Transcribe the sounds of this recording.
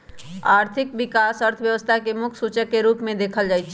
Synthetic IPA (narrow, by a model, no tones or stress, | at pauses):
aːɾt̪ʰɪkbikasəɾt̪ʰəʋjəʋəst̪ʰakemʊkʰsut͡ʃəkːeɾuːpmẽd̪eːkʰəld͡ʒaːjt͡ʃʰ